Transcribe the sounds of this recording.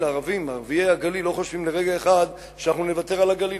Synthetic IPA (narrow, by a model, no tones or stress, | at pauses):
laʁavimaʁviehaɡalilo̞χo̞ʃvimleʁe̞ɡaeχad̪ | ʃanaχnune̞vat̪e̞ʁalaɡali